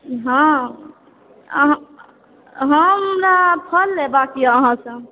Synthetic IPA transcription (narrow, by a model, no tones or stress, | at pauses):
ɦã | ə̰ɦ | ɦəmɾapʰəlːebakiəɦãsə̃